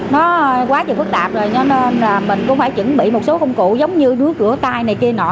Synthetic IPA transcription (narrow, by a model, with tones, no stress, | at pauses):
nɔ˨˦˧kwaː˨˦t͡ɕɨ˨˩fɨ˦˥k̚t̪aː˨˩p̚zo˨˩jt͡ɕɔ˨˧˦ne˧nlaː˨˩mï˨˩ŋ̟kʊ̰˧˥ŋ͡mfaː˧˩jt͡ɕɨ̰˧˥ŋɓḭ˧˨mo˨˩t̚so˨˦kə˧wŋ͡mkṵ˧˨zə˨˦wŋ͡mɲɨ˧ɗɨ˨˦əkːɨ̰˧˩ət̪aː˧jna˨˩jki˧ənɔ̰˧˩